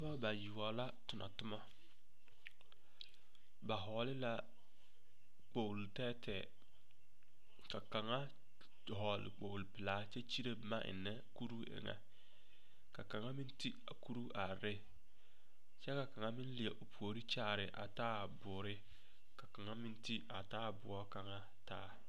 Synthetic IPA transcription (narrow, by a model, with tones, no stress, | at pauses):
a˦ba˦ba˨ji˨wɔ˨la˦tʊ˨nʔa̰˨tʊ˦ma˦ | ba˨ɦɔː˨lɪ˦la˦ | k͡po˨wltɛː˦tʰɛː˨ | ka˨ka˨ŋa˦˨ | ɦɔ˨lɪ̰˨k͡po˨wlpɪ˨laː˦t͡ʃɛ˦t͡ʃi˦ɾe˦bma˦ʔɪ̰˨nːɛ˦ku˦ɾu˦ḛ˨ŋa̰˦ | ka˨ka˨ŋa˦mɪ˦n˦ti˦a̰˨ku˦ɾu˦ʔa˨ɾɪ˦ | t͡ʃɛ˦ka˨ka˨ŋa˦mɪ˦n˦lɪ˨ɛ˨ʔo˨pu˨o˨ɾi˦t͡ʃaː˦˨ɾɪ˨ʔa̰˨taː˦˨bʊ˨ɾɪ˦ | ka˨ka˨ŋa˦mɪ˦nti˦a˨taː˦˨bʊ̰˨ɔ˦ka˨ŋa˦ | taː˦